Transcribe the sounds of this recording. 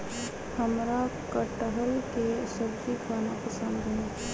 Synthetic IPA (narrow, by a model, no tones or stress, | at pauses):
həmɾakəʈəɦəlkesəbzikʰaːnapəsənd̪ɦəna